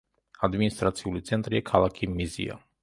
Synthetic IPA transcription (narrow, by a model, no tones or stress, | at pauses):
ad̪minist̪ʼɾat̪sʰiulit̪sʰɛnt̪ʼɾiakʰalˠakʰimizḭa̰